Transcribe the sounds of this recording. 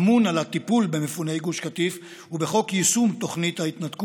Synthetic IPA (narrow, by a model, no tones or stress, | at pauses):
munalat̪ipulbe̞mefune̞jɡuʃkat̪if | ubeχo̞kjisumt̪o̞χnit̪hait̪nat̪ku